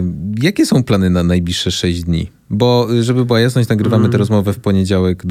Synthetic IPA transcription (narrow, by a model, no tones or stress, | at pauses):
jakʲɛsɔ̃w̃planɘnanajblʲiʂʂɛʂɛʑd͡ʑd̪ʲɲḭ | bɔʐɛbɘbɨwajasnɔɕt͡ɕnaɡɾɘvamɘt̪ɛɾɔzmɔvɛfpɔɲed͡ʑawɛɡd̪